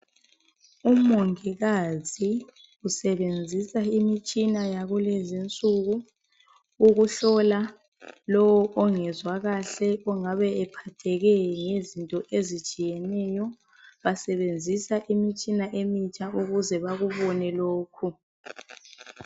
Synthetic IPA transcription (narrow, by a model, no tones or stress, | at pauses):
umoŋiɣazi | usɛβend͡zʱisaimit͡ʃʼinajaɣulezint͡sʼuɣuː | ɣuɬɔla | lɔwɔʔɔŋɛzwaɣaɬɛɔŋaβɛɛpʰatʰɛɣɛŋezintʼɔʔezit͡ʃʼijɛnɛjɔ | βasɛβend͡zʱisaʔimit͡ʃʼinaʔemit͡ʃʼauɣuzɛβaɣuβɔnɛloːkʰu